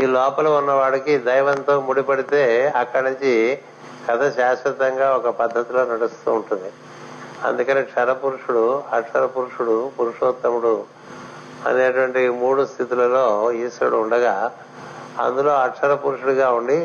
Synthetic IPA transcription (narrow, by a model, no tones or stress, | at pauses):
iːlɔːpɐluunːɐʋaːɽɐkid̪ɐjʋɐnt̪o̞ːmuɽipɐɽit̪e̞ːɐkːɐɽɐnuɲt͡ʃi | kɐt̪ʰɐʃaːʃɐt̪ɐŋɡaːɔkɐpɐd̪ʱːɐt̪ilo̞ːnɐɽust̪uːɳʈund̪i | ɐ̰nd̪ukɐniːʈʂɐɾɐpuɾuʂuɽuɐʈʂɐɾɐpuɾuʂuɽupuɾuʂoːt̪ːɐmuɽu | ɐ̰neːʈuʋɐɳʈimuːɽust̪ʰit̪ulɐlo̞ːiːsɐɽuuɳɖɐɡaː | ɐ̰nd̪ulo̞ːɐʈʂɐɾɐpuɾuʂuɽuɡaːuɳɖi